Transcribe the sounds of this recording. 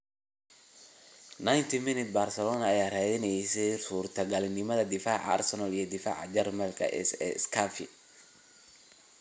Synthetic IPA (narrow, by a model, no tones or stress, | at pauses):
najnt̪ʰɪmɪnɪt̪̚baːrsɛlɔːnɐːjaːraːðɪnɛjsɛsuːrt̪ʰɐɡɐlɪnɪmɐðɐd̪ɪfaːʕa̰rsɔnɐlijɞd̪ɪfa̰ːʕɑ̰d͡ʒɛrmɛlkʰɐ̰ʔɛ̰sɛ̰skʰafɪ̰